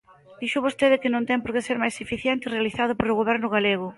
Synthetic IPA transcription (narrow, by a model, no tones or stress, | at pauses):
d̪̥iʃʊβost̪eðɪkɪnõnt̪ɛŋpoɾkeseɾmajsefiθjɛnt̪ɪirealiθað̞ʊpoɾʊɣoβ̞ɛɾnʊɣ̞aleɣ̞ʊ